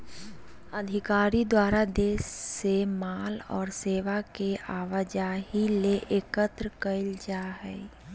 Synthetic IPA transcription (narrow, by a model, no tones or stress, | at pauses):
əd̪ʱɪkaːɾid̪waːɾad̪eːsːemaːlɔ̰ːɾseːʋakeʔaːʋəd͡ʒaːɦileʔekət̪ɾəkəɪld͡ʒaːɦɛː